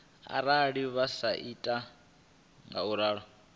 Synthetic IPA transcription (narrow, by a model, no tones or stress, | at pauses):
a̰ɾaɺiβasaʔitʼa | ŋɡa̰uɾaːɺɔ